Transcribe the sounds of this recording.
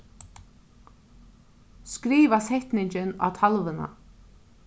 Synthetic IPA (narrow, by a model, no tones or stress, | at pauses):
skɾiːvasɛht̪nɪɲt͡ɕɪna̰t̪ʰalvɪna̰